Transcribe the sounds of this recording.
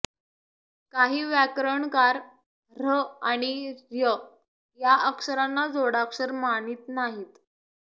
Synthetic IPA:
kaɦiːʋjakɾəɳkaɾ | ɾəaɽ̃iɾjə | jaʔəksəɾanːad͡zoɽaksəɾmaniːt̪naɦiːt̪

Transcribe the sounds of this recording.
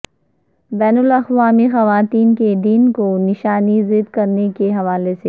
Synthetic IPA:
bɛːnʊlɐxʋaːmixɐʋaːt̪iːnked̪iːnkonɪʃaːnizɪd̪kɐɾnekeɦɐʋaːlese

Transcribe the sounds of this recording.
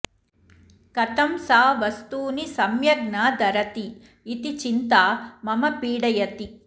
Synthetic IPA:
kɐt̪ɐmsaːʋɐst̪uːnisɐmjɐɾnaːd̪ɐɾɐt̪iː | t̪it͡ʃint̪aːmɐmɐpiːɽɐjɐt̪i

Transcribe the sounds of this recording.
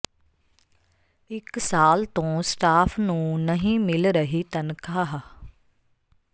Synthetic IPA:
ɪksaːlt̪õːsʈaːpʰnũːnəɦĩːmɪlɾəɦiːt̪ənkʰaːɦ

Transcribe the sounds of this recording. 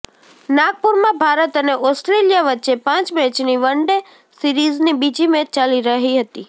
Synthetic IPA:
naɡ̚puɾmãbʱaɾət̪əneʔɔsʈɾelijaʋətːʃepãt͡ʃbet͡ʃniʋəɳɖe | siɾiznibid͡ʒimẽt͡ʃaliɾəɦiɦət̪i

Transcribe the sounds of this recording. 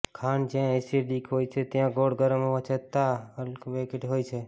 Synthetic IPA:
kʰand͡ʒãesiɖikɦojt͡ʃʰet̪jãɡoɽɡəɾəmoʋə̃t͡ʃʰət̪aəlkʋekeʈɦojt͡ʃʰe

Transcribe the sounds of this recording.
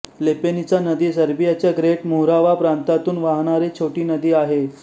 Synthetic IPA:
lepenit͡sanəd̪iːsəɾbijat͡ɕjaɡɾeʈmuɦɾaʋapɾant̪at̪uːnʋaɦɽ̃aɾet͡ɕʰoʈiːnəd̪iːaɦe

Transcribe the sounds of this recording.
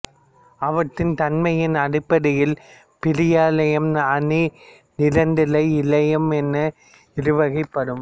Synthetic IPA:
ɐʋɐʈːɪnt̪ɐnmɐjɪnɐɽɪpːɐɽɪjɪl | pɪɾɪjaːlɐjɐmnɐni | nɪɾɐnd̪ɪlɐɪɪlɐjɐmɛnːɐ | ɪɾɯʋɐɣɪpːɐɽɯm

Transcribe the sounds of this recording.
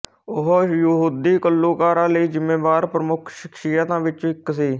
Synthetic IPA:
ʊɦjəɦuːd̪iːkəlːuːkaːɾãːləiːd͡ʒɪmːẽːʋaːɾpɾəmʊkʰʃɪkʃiːət̪ãːʋɪt͡ʃɪksiː

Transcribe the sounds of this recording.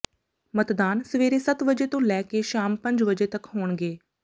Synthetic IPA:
mət̪d̪aːnsəʋeːɾeːsət̪ʋəd͡ʒeːt̪õːlɛːkeːʃaːmpə̃ɲd͡ʒʋəd͡ʒeːt̪əkhoːɳɡeː

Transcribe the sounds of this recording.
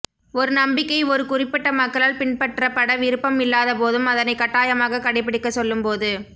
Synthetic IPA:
ɔɾɯnɐmbɪkːɐɪɔɾɯkʊrɪpːɪʈːɐmɐkːɐɭaːlpɪɳpɐʈːrɐpːɐɽɐʋɪɾɯpːɐmɪlːaːðɐpoːðɯmɐðɐnɐɪkːɐʈːaːjɐmaːɣɐkɐɽɪpːɪɽɪkːɐsɔlːɯmpoːðɯ

